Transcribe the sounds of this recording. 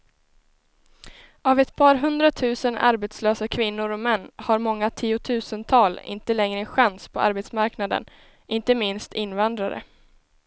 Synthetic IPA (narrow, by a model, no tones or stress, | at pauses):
avɛt̪pʰɑːɾɦɵnd̪ɾat̪ʰʉ̟ːsəna̰ɾbeːt̪sløːsakʰvɪnːʊɾɔmɛnːhaɾmɔŋːat̪ʰiːʊt̪ʰʉ̟ːsənt̪ʰɑːlɪ̰nt̪əlɛŋɾəɛnɧanspʰɔʔa̰ɾbeːt̪smaɾknad̪ə̰n | ʔɪnt̪əmɪnst̪ʰɪnːvand̪ɾaɾə̰